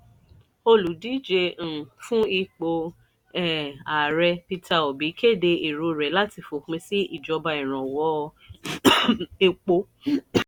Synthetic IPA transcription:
o˧lu˨di˨˦d͡ʒe˧˨fũ˦i˧k͡po˧ | ɛ˨a˨ɾɛ˧pi˧tʰa˧o˨bi˨˦ke˦˨de˧i˨ɾo˧ɾɛ˨˦la˦ti˧fo˨k͡pĩ˧si˦i˦˨d͡ʒɔ˧ba˧i˨ɾ̃ã˨wɔ˨˦˧ | e˧k͡po˧

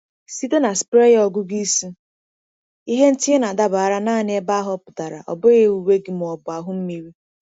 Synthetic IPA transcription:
si˦do˦na˨spɾe˦ɣɔ˨ɡʊ˦ɡi˦su˦ | i˦ɦe˦n̩˦ti˦e˦na˨da˦ba˨a˦ɾa˦naː˦˨nɪ˦e˦ba˦ɦɔ˦pʊ˨ta˨ɾa̰˨ʔɔ̰˨bʊ˦ɣe˦u˨we˦ɡɪ˨mʊ˨ɔ˨bʊ˨a˨ɦʊ˦m̩˦mi˦ɾi˦

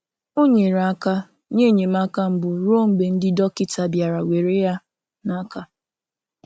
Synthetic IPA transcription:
o˦ɲe˨ɾa˨a˦ka˦ | ɲe˦˨ɲe˨ma˦ka˦m̩˦bʊ˨ɾo˦˨m̩˨ɡ͡be˨n̩˦dɪ˦dɔ˦kɪ˦ta˨bja˨ɾa˨we˨ɾe˦ja˦ | na˦ka˦

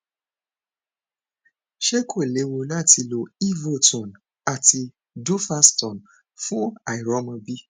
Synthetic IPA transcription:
ʃe˦kʰo˦˨le˨˦wo˧la˦˨ti˧lo˧i˦˨vo˦˨tũ˨n | a˨ti˧ | du˦fa˦stɔ̃˨n | fũ˦a˨i˨ɾɔ˨˦mã˧bi˦

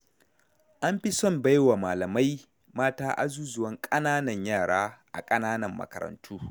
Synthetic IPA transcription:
ʔa˦mɸi˦sɔ˦˨mba˦jwa˨maː˨lɐ˨ma˦j | maː˦taː˦ʔa̰˨zuː˦zʊ˨wɐ˦ŋkʼɐ˦naː˦nɐ˨ɲjaː˦˨ɽaː˦ʔa̰˨kʼɐ˦naː˦nɐ˨mːɐ̰˨kɐ̰˨ɾɐ̰˨ntʰuː˦

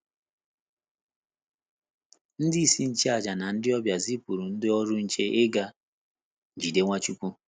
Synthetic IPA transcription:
n̩˦dɪ˦i˨si˦n̩˨t͡ʃe˦a˨d͡ʒa˨na˨n̩˦dɪ˦ɔ˦bja˨zi˦pu˨ɾu˨n̩˦dɪ˦ɔ˦ɾʊ˦n̩˨t͡ʃe˦ʔe˦ɡa˦˨ | d͡ʒi˨de˦ŋʷa˦t͡ʃu˦kʷu˦

